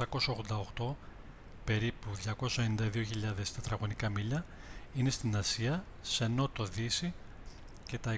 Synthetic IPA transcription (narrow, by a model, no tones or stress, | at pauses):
ɐko̞sɐo̞ɣðond̪ɐoxt̪o̞ | pe̞ɾipuðʝɐko̞sɐenind̪ɐðio̞çiʎɐðe̞st̪ɐt̪ɾɐɣo̞nikɐmiʎɐ | ine̞st̪inɐsiɐ | se̞no̞t̪o̞ðisi | ce̞t̪ɐe